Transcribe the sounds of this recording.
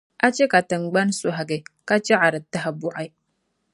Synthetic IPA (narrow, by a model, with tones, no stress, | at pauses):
a˦t͡ʃe˦ka˨tə˨ŋ˨ɡ͡ba˦n˦su˨ɦa˨ɡe˨ka˦t͡ʃe˦ʕa˨ɾə˨tːa˦ɦa˨bu˨ʔa˦j